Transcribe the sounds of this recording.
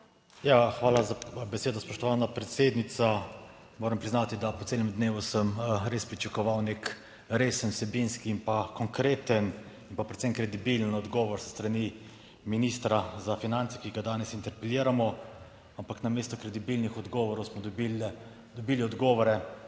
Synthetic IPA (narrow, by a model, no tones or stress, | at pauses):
jaxʋaːlazabɛseːd̪ɔspɔʃt̪ɔʋaːnapɾɛt̪seːd̪nit̪sa | moːɾəmpɾiznat̪id̪apɔtseːlɛmd̪neːʋusəmɾespɾit͡ʃakɔʋawnek | ɾeːsənsɛbinskiːnpakɔŋkɾeːt̪ən | impapɾɛt̪semkɾɛd̪ibilənɔd̪ɡɔːʋɔɾsst̪ɾani | minist̪ɾazafinant̪sɛ̥kiɡad̪aːnɛsint̪ɛɾpɛljiːɾamɔ | ampaknameːst̪ɔkɾɛd̪ibilnixɔd̪ɡɔʋɔɾɔwsmɔd̪bi | d̪ɔbiːliɔd̪ɡɔːʋɔɾɛ